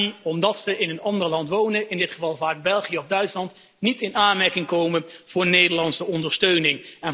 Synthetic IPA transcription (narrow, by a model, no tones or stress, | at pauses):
iɔmdɑtsəɪnənɑndəɹlɑntʋownəʔɪndɪtχəvɑlˠvaːɡ̚bɛlˠχijəɔvdœɥtslɑnt | nitɪnaːnmɛɹkɪŋkowmənv̥ʊːɹnejdəɹlɑnsəɔndəɹstøɥnɪŋɛn